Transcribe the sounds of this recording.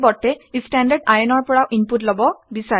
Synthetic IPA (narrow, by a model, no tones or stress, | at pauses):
bɔtːɛistandaɹɖajɔnɔɹpɔɹawʔinputlɔbɔbisa